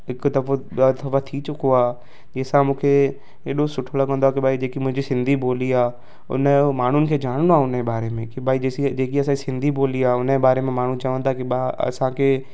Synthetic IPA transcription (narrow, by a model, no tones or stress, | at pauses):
ɦɪkt̪ɐft̪ɐfat̪ʰit͡ɕʊkoaː | d͡ʑeːsãmũːkʰe | eːɗosʊʈʰlokɐ̃nd̪oakibʱaːid͡ʑeːkimʊ̃ɦɪ̃ɲd͡ʑisɪ̃nd̪ʱiboːliaː | ʊ̰nəmaːɳ̤ʊnɪ̆kʰeːd͡ʒaːɽ̃noaʊnebaːɾemẽkibʱaːid͡ʑeːsid͡ʑeːkiɐsãisɪ̃nd̪ʱiboːliaːʊnəbaːɾemẽmaːɳ̤ũt͡ʃaəʋə̃nt̪ʰakiaɐ̰sãkʰeː